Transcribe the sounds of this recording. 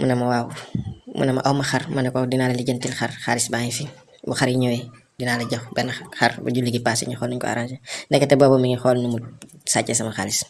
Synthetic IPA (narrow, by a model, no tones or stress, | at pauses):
mʔṵnɐmɐwaːwmṵnɐmɐ̰ʔɐwmɐxɐɾmɐnɛkɔdinaːlɐliɟɐntilxɐ̰rxaːlisbaŋifi | buxaɾiɲɔːwɛ | dinaːlɐɟɐxbɛnɐxɐɾbɐ̰ɟulːiɡipaːsḭɲixɔːlnuɲkɔ̰a̰ɾansindɛkːɛtɛbɔbɔmiŋixɔlnumusaːcːɛsɐmɐxa̰lis